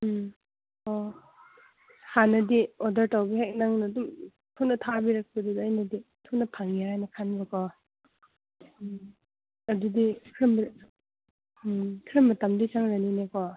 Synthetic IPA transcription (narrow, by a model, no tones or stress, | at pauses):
ɔ | hanɐdiɔdɐɾtawbihek̚naŋnɐːdum | tʰuknɐtʰabiɾak̚pɐdudːjnɐditʰuknɐpʰaŋiɾajnɐkʰanbɐkɔ | ɐdudikʰɾɐmb | kʰɾɐmːɐtamdit͡ʃaŋɾaninekɔ